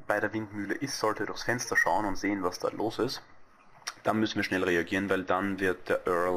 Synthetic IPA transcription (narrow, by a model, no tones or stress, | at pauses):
b̥aɪɾeːɐvɪntmyːləʔɪstz̥ɔltədʊɐxsfɛnstɐʃaʊənʊntz̥eːənvasd̥a̰ːlʔoːsɪst | d̥anmʏsn̩viːɐʃnɛlʁeaɡiːʁənvaɪldanvɪɐt̚d̥eːɐʔœɐl